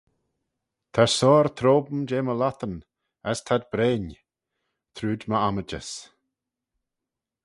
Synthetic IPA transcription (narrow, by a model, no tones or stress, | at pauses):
t̪ʰaɹsɔːɾt̪ʰɾoːbm̩d͡ʒeːməlat̪ən | ɛst̪ʰad̪bɾeːn | t̪ʰɾuːdməaməd͡ʒə̰s